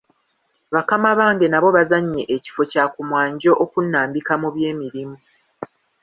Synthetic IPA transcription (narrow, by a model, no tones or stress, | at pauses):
βakamaβaːŋɡe̞naβo̞βazaɲːe̞ʔeci̥fo̞caːkumwaːɲɟo̞ʔokunːaːmbikamuβje̞ːmiɾimu